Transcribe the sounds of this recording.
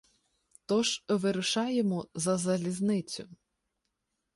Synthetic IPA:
t̪ɔʒʋɪɾʊʃɑjemɔzɐzɐlʲiznɪt͡sʲʊ̰

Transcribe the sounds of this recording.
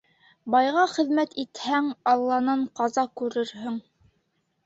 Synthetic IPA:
bɑjʁɑχɘ̆ðmæt̪it̪hæŋɑlˠːɑnɑɴqɑzɑkʉɾɘɾhɵŋ

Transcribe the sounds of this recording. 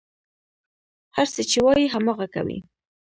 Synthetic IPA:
haɾset͡ʃewɑjiɦamɑɣaka̰wḭ

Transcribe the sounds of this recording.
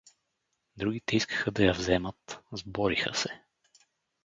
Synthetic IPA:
d̪ɾuɡ̟it̪ɛiskə̥xəd̪ɐjɐvzɛmət̪zbɔɾixə̰sɛ

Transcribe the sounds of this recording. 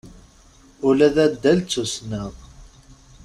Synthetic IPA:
ʊlæðæd̪ːælt͡sːusnəʁ

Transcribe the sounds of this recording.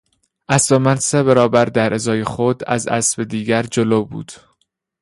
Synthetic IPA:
ʔæsvemænseβæɾɒːbæɾd̪æɾʔezɒːjexod̪æ̰zæ̰sbe̞d̪iːɟæɾd͡ʒoloːbṵːd̪̥

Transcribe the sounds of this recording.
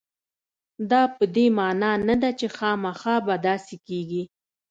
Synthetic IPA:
d̪ɑpəd̪emɑnɑnad̪at͡ʃexɑmaxɑbad̪ɑsekeɡi

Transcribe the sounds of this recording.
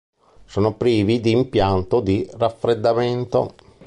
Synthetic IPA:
soːnopɾiːvid̪iːmpjant̪od̪irafːɾed̪ːament̪o̰

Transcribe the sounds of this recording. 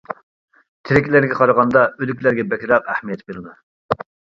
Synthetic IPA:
t̪ʰɪɾɪkʲlæɾɡʲɛqʰɑɾɑʁɑnd̪ɑølykʲlæɾɡʲɛbɛkʲɾɑqæhmijɛt̪ʰbeɾɨnɨ

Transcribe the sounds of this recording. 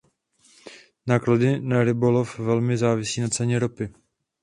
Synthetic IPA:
naːkladɪnaɾɪbolofvɛlmɪzaːvɪsiːnat̪t͡sɛɲɛɾopɪ

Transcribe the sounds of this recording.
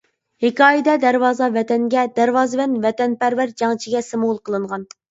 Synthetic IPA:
hekʰʲɑːjid̪ɛd̪æɾwɑːzɑvɛt̪ɛŋɡʲɛd̪æɾwɑːzɨvɛnvɛt̪ɛnpæɾvæɾd͡ʒɑŋt͡ʃʰiɡʲɛsɪmlˠqʰəlˠɨɴʁɑn

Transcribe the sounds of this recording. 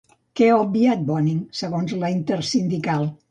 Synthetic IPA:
kɛaob̚biat̪̚bɔniŋsəɣonzləint̪əɾsind̪ikalˠ

